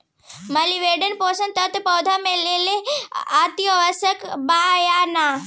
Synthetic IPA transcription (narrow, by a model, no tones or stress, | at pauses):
mɐliʋeɖənposənt̪ɐt̪pɐwd̪ʱameleleat̪ijəʋəsəkbajana